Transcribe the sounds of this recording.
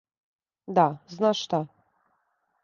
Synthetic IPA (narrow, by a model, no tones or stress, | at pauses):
d̪aznaʃʃt̪a